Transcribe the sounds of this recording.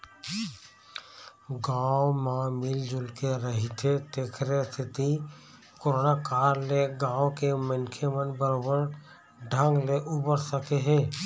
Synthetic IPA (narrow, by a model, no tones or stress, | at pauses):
ɡaːomãmɪld͡ʒʊlkeɾəɦit̪ʰet̪eːkʰɾest̪ʰɪt̪i | koɾonakaːɾleɡãːokemənkʰemənbəɾoːbəɾ | ɖʱə̃ŋɡleʔubəɾsəkeɦɛː